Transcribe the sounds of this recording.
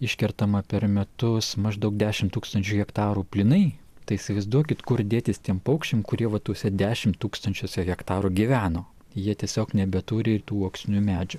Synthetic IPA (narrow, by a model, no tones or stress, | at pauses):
ɪʃʲkʲɛɾt̪ɐmɐpʲɛɾmʲɛt̪ʊsmɐʒd̪ɐʊk̚d̪ʲæːʃʲɪmt̪uːkst̪ɐnʲt͡ʃʲuːɣʲɛkt̪ɑːɾuːpʲlʲɪnɐɪ | t̪ɐɪisʲɪʋɐɪzd̪uɔkʲɪt̪kʊɾd̪ʲeːt̪ʲɪst̪ʲiɛmpɐʊkʃʲt͡ʃʲeːmkʊɾʲiɛʋɐt̪uːsʲɛd̪ʲæːʃʲɪmt̪uːkst̪ɐnʲt͡ʃʲoːsʲɛɣʲɛkt̪ɑːɾuːɡʲiʋʲæːnoː | jiɛt̪ʲiɛsʲoːknʲɛbʲɛt̪uːɾʲɪɪt̪uːoːksʲnʲumʲæːd͡ʒʲʊ